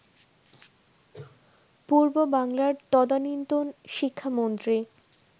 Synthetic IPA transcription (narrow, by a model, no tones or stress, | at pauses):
puɾbobaŋlaɾt̪ɔd̪anint̪onʃikʰːamont̪ɾi